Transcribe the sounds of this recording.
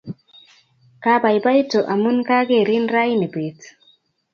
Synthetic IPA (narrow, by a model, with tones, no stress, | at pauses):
ka˦ba˨jba˦jto˨ʔa˨mu˦nka˦ɡe˦˨ɾi˦nɾa˦ji˦ne˨be˨t